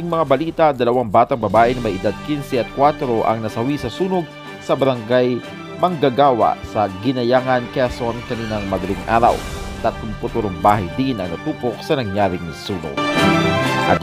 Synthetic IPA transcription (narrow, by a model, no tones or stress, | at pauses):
iŋmɐŋabɐliːt̪ad̪ɐlɐwaŋbaːt̪ɐŋbɐbaːʔɪnɐmɐjʔɪd̪ad̪̚kinsɛʔɐt̪̚kwaːt̪ɾoʔɐ̰ŋnɐsɐwisɐsuːnoɡ̚ | sɐbɐɾɐŋɡaj | mɐŋɡaɡaːwa̰sɐɡɪnɐjaːŋɐnkɛsonkɐniːnɐŋmɐd̪ɐliŋʔa̰ːɾɐ̰wt̪ɐt̪ʊmpʊt̪uɾoŋbaːhɐjd̪inʔɐ̰ŋnɐt̪uːpok̚sɐnɐŋjaːɾɪŋnɪsuːno̰ɡ | ʔɐ̰